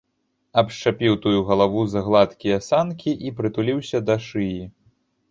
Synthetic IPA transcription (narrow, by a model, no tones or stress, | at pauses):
ɐpʂt͡ʂapʲiwt̪ujuɣɐlˠavuzɐɣlˠat̪kʲijɐsankʲiʔipɾɨt̪ulʲiwsʲɐd̪ɐʂɨji